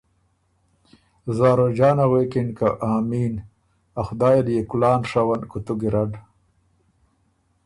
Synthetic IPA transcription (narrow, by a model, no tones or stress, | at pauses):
zaːɾod͡ʒaːnaɣwekinkaʔaːmiːn | axʊd̪aːjaljekulaːnʂawankut̪uɡiɾaɖ